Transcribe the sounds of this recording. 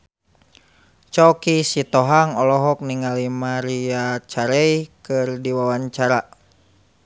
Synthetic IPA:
t͡ʃɔkisit̪ɔɦaŋɔlɔɦɔk̚niŋalimaɾiat͡ʃaɾɛikɨrdiwawaɲt͡ʃaɾa

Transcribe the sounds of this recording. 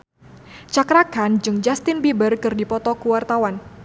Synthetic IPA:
t͡ʃakɾakand͡ʒɨŋd͡ʒast̪ɪnbibərkɨrdipɔt̪ɔkuwart̪awan

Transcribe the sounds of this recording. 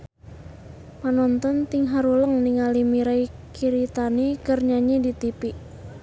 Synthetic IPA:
panɔnt̪ɔnt̪ɪŋɦaɾuləŋniŋalimiɾai | kʰiɾit̪anikərɲaɲidit̪ipiʔ

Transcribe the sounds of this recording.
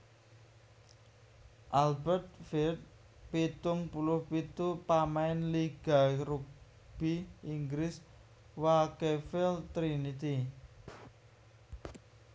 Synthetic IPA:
ʔalbɛrt̪̚fɛt̪̚ | pit̪ʊŋpulʊhpit̪upamaɪnliɡ̥a̤ɾuk̚ | b̥iiŋɡɾɪs | wakefɪlt̪ɾinit̪i

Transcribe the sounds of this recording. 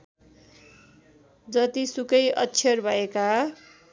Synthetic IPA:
d͡zʌt̪isukʌjʔʌtːsʰʌrbʱʌeka

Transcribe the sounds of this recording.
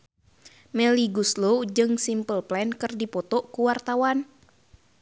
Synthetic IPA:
mɛliɡuslod͡ʒɨŋsimpəlplɛnkɨrdipɔt̪ɔʔkuwart̪awan

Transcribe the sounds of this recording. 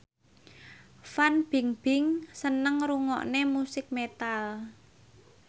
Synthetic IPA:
fanb̥i̤ŋb̥ɪ̤ŋsənəŋɾuŋɔ̰ʔnemusɪk̚met̪al

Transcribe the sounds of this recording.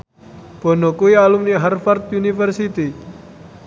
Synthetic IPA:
b̥o̤nokuialumniɦarfart̪̚unifərsit̪i

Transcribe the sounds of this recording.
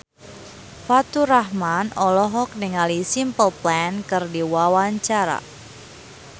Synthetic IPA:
fat̪uɾaɦmanɔlɔɦɔk̚niŋalisimpəlplɛnkɨrdiwawaɲt͡ʃaɾa̰

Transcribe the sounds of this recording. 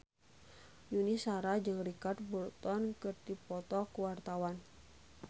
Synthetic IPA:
junisaɾad͡ʒɨŋrikat̪̚burt̪ɔnkɨrd̪ipɔt̪ɔkuwart̪awan

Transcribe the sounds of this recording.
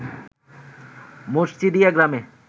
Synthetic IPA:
moʃt͡ɕid̪ijaɡɾame

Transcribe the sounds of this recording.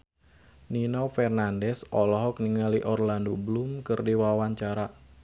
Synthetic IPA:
ninɔwfɛrnandɛsɔlɔɦɔk̚niŋaliʔɔrlandoblumkɨrdiwawaɲt͡ʃaɾa

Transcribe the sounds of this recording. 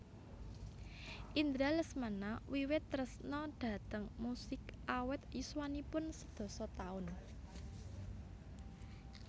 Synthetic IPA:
ʔind̪ɾaləsmanawiwɪt̪ːɾəsnɔɖ̪̥ä̤t̪əŋmusɪkʔawɪt̪jiswanipʊnsəd̪̥o̤sɔt̪aʊn

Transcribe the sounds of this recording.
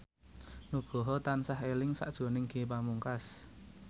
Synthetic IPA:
nuɡ̥ɔ̤ɦɔt̪ansaɦelɪŋsa̰ʔd̥ʒ̥ɔ̤nɪŋɡ̥epamuŋkas

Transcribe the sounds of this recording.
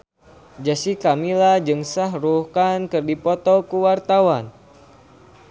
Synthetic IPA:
d͡ʒasikamilad͡ʒɨŋsaɦruhkankɨrdipɔt̪ɔkuwart̪awan

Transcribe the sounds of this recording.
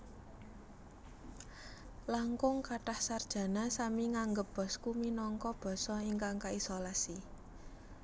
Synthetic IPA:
laŋkʊŋkaʈahsard̥ʒ̥ä̤nasamiŋaŋɡəp̚b̥ɔ̤skuminɔŋkɔb̥ɔ̤sɔiŋkaŋkaisolasi

